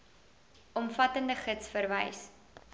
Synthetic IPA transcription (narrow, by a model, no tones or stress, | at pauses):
ɔmfɐtəndəχətsfərvəjs